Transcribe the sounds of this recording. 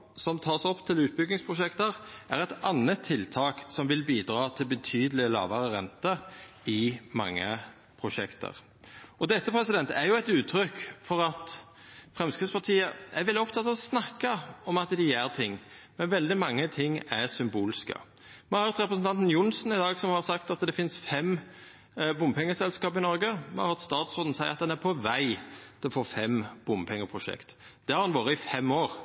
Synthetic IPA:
sɔmt̪ʰɑːsɔpːt̪ʰɪlʉːt̪̚bʏɡnɪŋspʰʁʊʃɛkt̪əʁʔæɾɛt̪ɑnːət̪ʰːɪlt̪ʰɑːksɔmʋɪlbiːd̪ɾɑːt̪ʰɪlbət̪ʰyːd̪əlɪlɑ̰ːʋəɾəʁɛ̰nt̪ə | ɪmɑ̰ŋːə̰ | pʰɾʊʃɛkt̪ə̰ʁ | ʔɔd̪ɛt̪ːəpʰɾɛsɪd̪ɛnt̪æjʊæɪt̪ʉːt̪ʰːɾʏkːfɔʁɑt̪ | fʁɛmskʰɪspɑʁt̪ʰiːəʔæɾʋɛlɪɔpt̪ʰɑt̪ːɑːʋɔsnɑkːəɔmɑt̪d̪ɪjæɾt̪ʰɪŋː | mɛnʋɛld̪ɪmɑŋːət̪ʰɪŋːæʁsʏmbuːlɪskə̰ | mɛhɑɾt̪ɾɛpɾəsn̩t̪ɑnt̪njʊnsnɪd̪ɑːɡsɔmhɑɾsɑkt̪ɑt̪d̪ɛfɪnsfɛm | bʊmpʰɛŋːəsɛlskɑːpɪnɔɾɡəmɛ̰hɑ̰ɾhɑɾt̪st̪ɑːt̪sɔd̪n̩sæɪɑt̪̚d̪ɛnæɾpʰɔʋæɪt̪ʰɪlɔfoːfɛmb̥ʊmpʰɛŋːəpʰɾʊʃɛ̰kt̪d̪̥ɛhɑɾhɑnʋoːɾəɪfɛmːoːɾ

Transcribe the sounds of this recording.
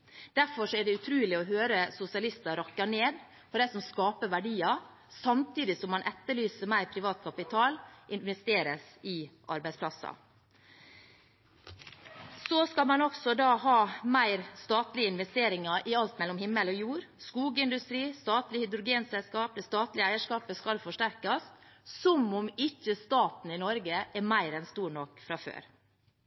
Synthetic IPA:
d̪̥æɾfɔʂɔɛɖɛʉt̪ʰɾʉːlɪɔhøːɾəsʊsɪɑlɪst̪ɑɾɑkːɑneːd̪ | fɔɖæɪsɔmskɑːpəʋæɖiːɑ | sɑmt̪iːd̪ɪsɔmːɑnʔɛt̪ːəɭyːsəmæɪɾpʰɾɪʋɑːt̪̚kʰɑpɪt̪ʰɑːlʔɪnʋɛst̪eːɾəsɪʔɑ̰ɾbæɪspʰlɑsɑ̰ | soskɑlmɑnɔksɔd̪ɑːɦɑːmæɪɾst̪ɑːt̪lɪəɪnʋɛst̪eːɾɪŋɑʔɪɑlt̪mɛlːɔmhɪmːəlɔjuːɾskuːɡəɪnd̪ʉst̪ɾiːst̪ɑːt̪lɪhʏd̪ɾʊɡeːnsɛlskɑːp̚d̪ɛst̪ɑːt̪lɪæɪəʂkɑːpəskɑlfɔʂʈæɾkɑsːɔmɔmɪçːəst̪ɑːt̪n̩ɪnɔɾɡəʔɛmæɪɾɛnst̪uːɳɔkːfɾɑfø̰ːɾ

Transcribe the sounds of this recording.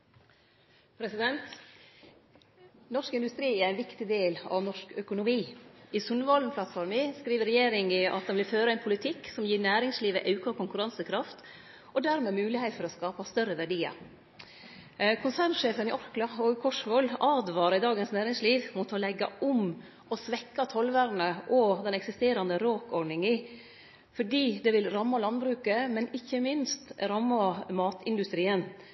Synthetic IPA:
pʰɾɛsɪd̪ɛnt̪ | nɔʂkɪnd̪ʉst̪ɾiːæɾænʋɪkt̪ɪd̪eːlɑ̰ʋnɔʂkœkʊnʊmiːɪsʉnʋɑln̩pʰlɑt̪fɔɾmɪskɾiːʋəɾɛjeːɾɪŋɪʔɑ̰t̪d̪ɛnʋɪlføːɾəæɛnpʰʊlɪt̪ʰɪkːsɔmjiːnæːɾɪŋsliːʋə̰ʔɑʉkɑkʰʊŋkʉɾɑnsəkʰɾɑft̪ | ʔɔd̪æɾmeːmʉːlɪhɛɪt̪fɔɾɔskɑːpɑst̪œɾəʋæɖiːɑ̰ | kʰʊnsæːɳʂeːfənɪʔɔɾklɑɔɡkʰɔʂʋɔlːɑːd̪ʋɑːɾɑɪd̪ɑːɡənsnæːɾɪŋsliːʋmuːt̪ɔlɛɡːɑ̰ʊm | ɔsʋɛkːɑt̪ʰɔlʋæːɾnəʔɔd̪ɛnɛksɪst̪eːɾɑnd̪əɾoːkɔɳɪŋiː | fɔɖiːd̪ɛʋɪlɾɑmːɑlɑnbɾʉːkəmɛnɪçːəmɪnst̪ɾɑmːɑmɑːt̪ʰɪnd̪ʉst̪ɾiːən

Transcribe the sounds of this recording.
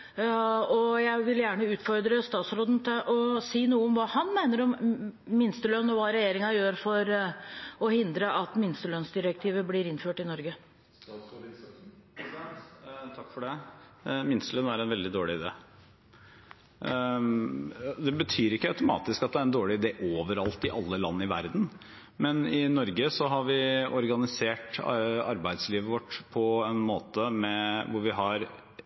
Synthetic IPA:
ɔjæɪʋɪljæːɳəʉːt̪fɔɾd̪ɾəst̪ɑːt̪sɾoːd̪n̩t̪ʰɪʔɔsiːnuːəɔmʋɑːhɑnmæɪnəɾɔmːɪnst̪əlœnːɔʋɑːɾɛjeːɾɪŋɑjøːɾfɔɾ | ɔhɪnd̪ɾəʔɑt̪mɪnst̪əlœnsd̪ɪɾəkt̪ʰiːʋəblɪɾɪnføːʈɪnɔɾɡə | t̪ʰɑkːfɔɖɛ | mɪnslənæɾɛnʋɛld̪ɪd̪oːɭɪɪd̪ḛː | d̪ɛbət̪ʰyːɾɪkːəɑʉt̪ʊmɑ̰ːt̪ɪskɑt̪̚d̪ɛæɾɛnd̪oːɭɪɪd̪eːʔoːʋəɾɑlt̪ɪʔɑlːəlɑ̰nːəɪʋæɾd̪n̩ | mɛnɪnɔɾɡəsɔɦɑɾʋɪɔɾɡɑnɪseːʈɑɾbæɪd̪sliːʋəʋɔʈːpʰɔɛnmoːt̪əmɛʋʊɾʋɪɦɑɾ

